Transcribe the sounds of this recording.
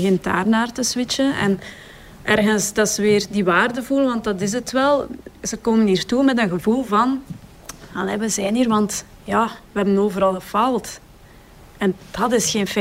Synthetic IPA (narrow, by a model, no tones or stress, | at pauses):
ɣɪnt̚da̰ːrnaːrtəswɪt͡ʃənɛ̰n | ʔɛrɣənsdɑtsəʋɪːrdiʋaːrdəvulʋɑnt̚dɑtɪz̬ətʋɛlˠz̥əkoːməniːrtumɛtənɣəvulˠvɑn | ɑlɛʋəzɛːniːrʋɑnt | jaːʋəɦɛbənoːvəɾɑlˠɣəfaːlˠt | ɛnd̥ɑtɪsxeːnfɛ